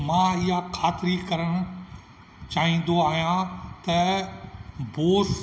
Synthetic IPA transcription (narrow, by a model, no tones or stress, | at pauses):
mãːɪɦakʰaːt̪ɪɾikɐɾəɽ̃ʊ | t͡ɕaːɦĩːn̆d̪oaːɦijãt̪ɐ | boːs